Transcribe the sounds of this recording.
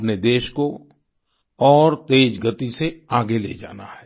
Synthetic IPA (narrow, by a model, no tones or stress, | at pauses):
pned̪eːʃko | ɔːɾt̪eːd͡ʒɡət̪iseaːɡelḛːd͡ʒa̰ːna̰ɦɛː